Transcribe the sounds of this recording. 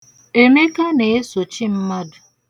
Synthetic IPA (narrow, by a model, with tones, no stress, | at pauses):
e˨me˦ka˦ne˨e˦so˨t͡ʃi˦m̩˦ma˦dʊ˨